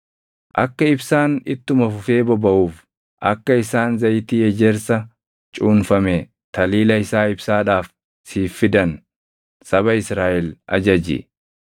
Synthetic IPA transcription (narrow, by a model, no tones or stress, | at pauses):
ʔɐ̰kːɐɪbsaːnɪt̪ːʊmɐfʊfe̞ːbɔbɐʔuːf | ʔɐ̰kːɐɪsaːnzɐjt̪iːjɛd͡ʒɛɾsɐ | t͡ʃʼuːnfɐme | t̪ɐliːlɐɪsaːɪbsaːᶑaːf | siːfːɪd̪ɐn | sɐbɐɪsɾaːʔɪlʔɐ̰d͡ʒɐd͡ʒɪ̰